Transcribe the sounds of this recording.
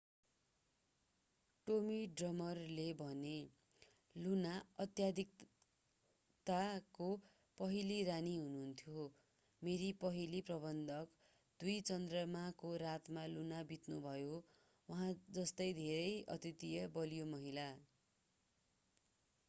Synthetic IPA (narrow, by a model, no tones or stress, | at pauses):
ʈomiɖrʌmʌrlebʱʌne | lunaʌt̪jad̪ʱik | t̪ako | pʌɦiliɾaniɦununt̪ʰjo | meɾipʌɦiliprʌβʌnd̪ʱʌk | d̪ujt͡sʌnd̪rʌmakoɾat̪malunabit̪nubʱʌjo | wʌɦãd͡zʌst̪ʌjd̪ʱeɾʌjʌ̰t̪it̪ijʌbʌlijomʌɦila